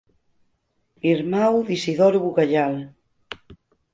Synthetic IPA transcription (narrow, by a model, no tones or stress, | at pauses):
iɾmawðisiðɔɾβuɣaʎal